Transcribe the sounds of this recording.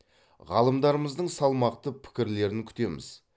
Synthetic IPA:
ʁɑ̰lˠəmd̪ɑɾəməzd̪əɴsɑlˠmɑqt̪əpʰɪ̥kʲɪɾle̞ɾɪŋkʲʰʏ̥t̪e̞mɪ̰z̥

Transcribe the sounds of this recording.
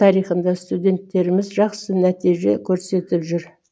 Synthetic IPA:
ɑɾijχənd̪ɑst̪ud̪e̞nt̪ːe̞ɾɪmɪzʒɑqsənæt̪ijʒe̞̰kʲʰɵɾse̞t̪ɪpʒʏɾ

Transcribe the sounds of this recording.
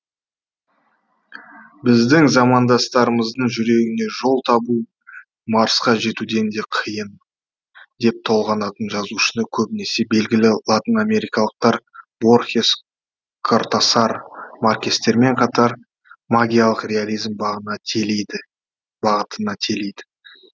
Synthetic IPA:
bɪzd̪ɪŋzɑmɑnd̪ɑst̪ɑɾəməzd̪əɴʒʏɾe̞ɡʲɪne̞ʒo̞lˠt̪ʰɑbu | mɑɾəsqɑʒe̞t̪ud̪e̞nd̪e̞qʰəjən | d̪e̞p̚t̪ʰo̞lˠʁɑnɑt̪ənʒɑzuʃənəkʲʰɵbɪne̞se̞be̞lɡʲɪlɪlˠat̪ʲiname̞ɾijkɑlˠəq̚t̪ɑɾbo̞rxʲes | kʰort̪asɑɾmarkʲest̪ːe̞ɾme̞ɴqʰɑt̪ɑɾ | maɡʲijalˠəqrʲe̞alʲijzmbʁnɑ | bɑʁət̪ənɑt̪ʰe̞lejd̪ɪ̥

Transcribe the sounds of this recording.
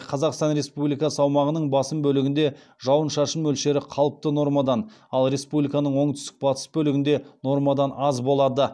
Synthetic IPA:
qʰɑzɑqst̪ɑnɾe̞spublijkɑsəɑwmɑʁənəɴbɑsəmbɵlɪɡʲɪnd̪e̞ | ʒɑwənʃɑʃəmːɵlʃe̞ɾɪqʰɑlˠəp̚t̪əno̞ɾmɑd̪ɑnɑlˠɾe̞spublijkɑnəɴwo̞ɴt̪ʰʏ̥st̪ɪk̚bɑt̪ə̥sbɵlɪɡʲɪnd̪e̞no̞ɾmɑd̪ɑnɑzbo̞lˠɑd̪ə

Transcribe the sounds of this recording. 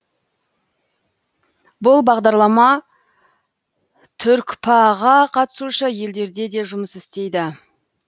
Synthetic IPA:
bʊlˠbɑʁd̪ɑɾlˠɑmɑ | t̪ʰʏɾkʲpʰaʁɑqʰɑt̪ə̥suʃəje̞ld̪e̞ɾd̪e̞d̪e̞ʒʊməsɪst̪e̞jd̪ɪ

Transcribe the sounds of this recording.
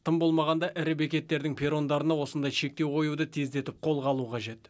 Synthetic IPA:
t̪ʰəmbo̞lˠmɑʁɑnd̪ɑʔæɾɪbekʲe̞t̪ːe̞ɾd̪ɪŋpʰe̞ɾo̞nd̪ɑɾənɑwo̞sənd̪ɑjʃe̞k̚t̪e̞wqʰo̞jud̪ət̪ʰe̞zd̪e̞t̪ɪp̚qʰo̞lˠʁɑlˠuqʰɑʒe̞t̪

